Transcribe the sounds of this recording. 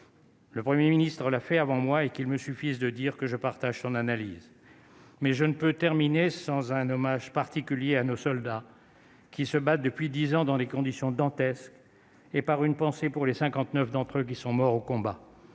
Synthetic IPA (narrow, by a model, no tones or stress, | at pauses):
ləpχəmjeminist̪χəlafɛavɑ̃mwaekilməsyfizd̪əd̪iʁkəʒəpaʁt̪aʒsɔ̃nanaliz | mɛʒənəpøt̪ɛʁminesɑ̃zɛ̃nɔmaʒpaʁt̪ikʲyljeanosɔld̪a | kʲisəbat̪̚d̪əpɥid̪izɑ̃d̪ɑ̃lekɔ̃d̪isjɔ̃d̪ɑ̃t̪ɛsk | epaʁynpɑ̃sepuʁlesɛ̃kɑ̃t̪nœfd̪ɑ̃t̪χøk̬ʲisɔ̃mɔʁokɔ̃ba